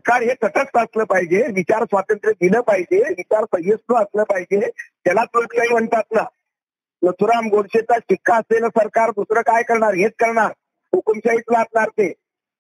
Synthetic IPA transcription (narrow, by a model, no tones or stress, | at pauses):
səɾkaɾɦet̪ʰəʈʰəst̪əsləːpaɦid͡ʑeʋit͡ɕaɾsʋat̪ənt̪ɾik̚ɡ̪iləːpaɦid͡ʑeʋit͡ɕaɾsəɦjəsʈ̪əəsləːpaɦid͡ʑet̪jalat̪lut̪kaɦiːm̤əɳt̪at̪na | nət̪ʰuɾəamɡoɽɕet͡saʈikːaəselsəɾkaɾd̪usɾəkajkəɾɳaɾɦet͡skəɾɳaɾ | ukəmɕait͡slaɡɳaɾt̪e